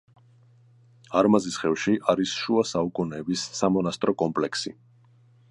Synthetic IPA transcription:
aɾmazisχɛvʃiʔaɾisʃuasaukʼunɛːbisːamɔnast̪ʼɾɔkʼɔmpʼlɛksi

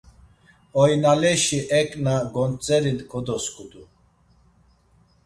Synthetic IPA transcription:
ɔjnalɛʃiʔɛkʼnaɡɔnt͡sʼɛɾinkʰɔd̪ɔskʰʼud̪u

